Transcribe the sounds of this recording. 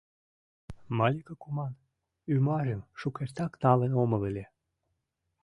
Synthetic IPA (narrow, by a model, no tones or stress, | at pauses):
mɑlʲikəkumɑn | ymɑʒemʃukeʃt̪ɑknɑlenomɤ̆velʲe